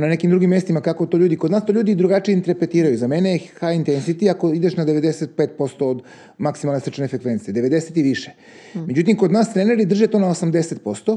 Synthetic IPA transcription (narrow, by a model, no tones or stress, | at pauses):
nanekimd̪ɾuɡimːjest̪imakako̞t̪oʎʲuːd̪iko̞d̪naːst̪oʎʲuːd̪id̪ɾuɡat͡ʃijeint̪eɾpɾet̪iːɾajuzameneexajint̪ensit̪iakoid̪e̞ʃnad̪eʋe̞d̪e̞set̪̚peːt̪̚po̞st̪o̞od̪ | maksimalnesɾit͡ʃnefɾekʋe̞nt̪sijed̪eʋe̞d̪e̞set̪iʋiʃe | med͡ʑut̪̬imkod̪naːst̪ɾeneɾid̪r̩ʒet̪o̞ːnaosamd̪e̞se̞t̪̚po̞st̪o